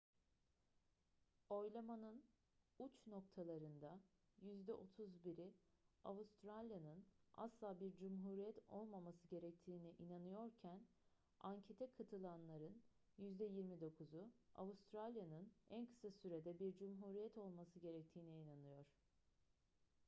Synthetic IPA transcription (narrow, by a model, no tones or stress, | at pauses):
o̞jlˠamanɯn | ut͡ʃno̞k̚t̪ʰalˠaɾɯnd̪a | jyzd̪ɛʔot̪ʰuzbiɾiavust̪ɾalʲjanɯna̰slˠaːbiɾd͡ʒumɦuːɾijɛt̪ʰo̞̰lˠmamasɯɟe̞ɾɛc̚t̪ʰiːniʔinanɯjo̞ɾcʰæn | aɲcʰe̞t̪ʰɛkʰat̪ʰɯlˠanlˠaɾɯn | jyzd̪ɛjiɾmid̪o̞kʰuzua̰vust̪ʰɾalʲjanɯnænkʰɯ̥sasyɾe̞d̪ɛbiɾd͡ʒumɦuːɾijɛt̪ʰo̞lˠmasɯɟe̞ɾɛc̚t̪ʰiːniinanɯjo̞ɾ̝̥